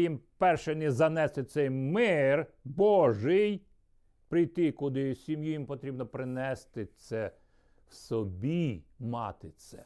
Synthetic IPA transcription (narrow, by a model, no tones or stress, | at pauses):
jimpɛrʃɛnʲizɐnɛst̪ɪt̪sɛjmɪrbɔʒɪj | pɾɪjt̪ɪkʊd̪ɪsʲimjujimpɔt̪ɾʲibnɔpɾɪnɛst̪ɪt̪sɛ | wsɔbʲimɑ̰t̪ɪt̪sɛ